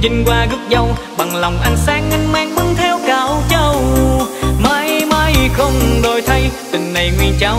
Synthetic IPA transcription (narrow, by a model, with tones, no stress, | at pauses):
zɨ˧ŋ̟kwaː˧ɣɨ˦˥p̚zə˧w | ɓa˨˩ŋlɔ˨˩wŋ͡mʔa˧jŋ̟saː˧ŋːɨ˧ŋmaː˧ŋkɨ˧˦ŋt̪ʰɛ˧wkaː˨˦wt͡ɕə˧w | maː˧jmaː˧˥jxə˧wŋ͡mɗo˧˩jt̪ʰə˧jt̪ï˨˩ŋ̟na˨˩jŋwi˧˩ənt͡ɕaː˧˩w